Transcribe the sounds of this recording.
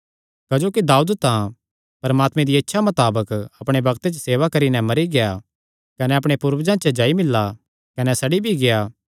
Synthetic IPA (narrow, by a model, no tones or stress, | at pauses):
kɐd͡ʒoːkid̪aːud̪t̪ã | pɐɾmaːt̪mẽd̪iɐtːʃʰamɐt̪aːbəkɐpɽ̃ebɐkt̪et͡ʃəseːʋakɐɾinɛmɐɾiɡeja | kɐnɛɐpɽ̃epuɾʋd͡ʒãːt͡ʃəd͡ʒaːimɪlːa | kɐnɛsɐɽibʱiɡeja